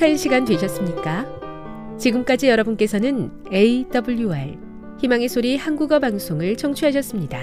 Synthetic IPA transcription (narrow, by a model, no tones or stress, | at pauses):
kʰainɕʰiɡantweɕʰʌs͈ɯmɲik͈a | t͡ɕiɡɯmk͈ad͡ʑijʌɾʌbunk͈e̞sʰʌnɯn | eidʌbuʎjuaɭ | çimaŋisʰoɾihanɡuɡʌbaŋsʰoŋɯɭt͡ɕʌŋt͡ɕʰuɦaɕ̬ʰʌs͈ɯmɲida